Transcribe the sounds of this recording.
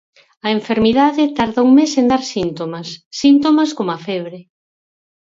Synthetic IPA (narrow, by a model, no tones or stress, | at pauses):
ɐeɱfeɾmiðaðɪt̪aɾðauŋmesend̪aɾsint̪omasːint̪omaskomoafɛβ̞ɾe